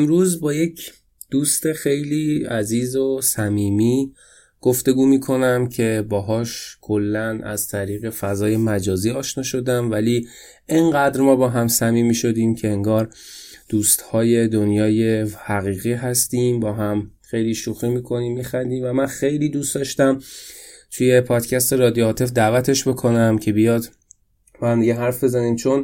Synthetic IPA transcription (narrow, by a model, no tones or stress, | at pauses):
ɾuːzbɒːje̞cʰ | d̪̥uːst̪e̞xe̞jliːæziːzosæmiːmiː | ɡ̥oft̪e̞ɡuːmiːkʰo̞næmcʰe̞bɒːɦɒːʃkʰo̞lːænʔæ̰z̥t̪ʰæɾiːɣe̞fæzɒːje̞mæd͡ʒɒːziːɒːʃnɒːʃo̞d̪æmvæliː | eŋɢæd̪ɾmɒːbɒːɦæmsæmiːmiːʃo̞d̪iːmcʰe̞eŋɡɒːɾd̪̥uːst̪hɒːje̞d̪onjɒːje̞hæɣiːɣiːɦæst̪iːmbɒːɦæmxejliːʃoxɾimiːkʰo̞niːmːixænd̪iːmvæmænxe̞jliːd̪usd̪ɒːʃt̪æm | t̪ʰuje̞pʰɒːd̪̥cʰæst̪e̞ɾɒːd̪ijoːt̪ʰefd̪æːvæt̪ʰe̞ʃbe̞kʰo̞næmcʰe̞bijɒːd̪ | b̥ɒhæmd̪iɟeɦæɾfbe̞zæniːmt͡ʃʰo̞n